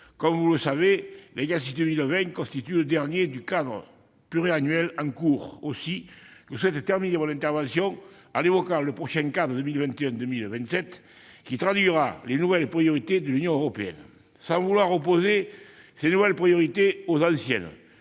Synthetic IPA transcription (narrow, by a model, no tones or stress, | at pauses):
kɔmvuləsavelɛɡas̬id̪əmilvɛ̃ŋkɔ̃st̪it̪yləd̪ɛʁnjed̪ykad̪ʁə̰ | plyʁeanɥɛlɑ̃ŋkuʁosikəswɛt̪ət̪ɛʁminevɔ̃nɛ̃nt̪ɛʁvɑ̃sjɔ̃ŋ | a̰levɔkãləpχɔʃɛ̃ŋkad̪ʁəd̪əmilvɛ̃nt̪eœ̃nd̪əmilvɛ̃nt̪sɛt̪ | kit̪χad̪ɥiʁalenuvɛlpχijoʁit̪ed̪əlynjɔ̃øʁɔpeɛ̰n | sɑ̃vulwaʁop̬oze | senuvɛlpχijɔʁit̪eozɑ̃sjɛ̰n